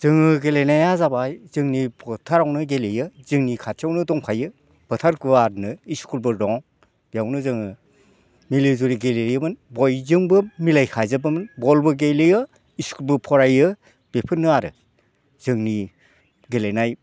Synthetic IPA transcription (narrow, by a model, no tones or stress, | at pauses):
z̥ɯŋɯɡelejnajazabajzɯŋnibʰɔtʰaɾawnɯɡelejɯzɯŋnikʰatʰijawnɯdɔŋpʰajɯ | b̥ʰɯtʰaɾkɯaɾnɯiskulbɯɾɔŋ | b̥jawnɯzɯŋɯ | milizuɾiɡeleɾijɯmɯnbɔjzɯŋbɯmilajkʰajzɯbɯmɯnbɔlbɯɡelejɯ | iskulbɯpʰɔɾajɯ | b̥epʰɯnːɯaɾɯ | z̥ɯŋni | ɡelejnaj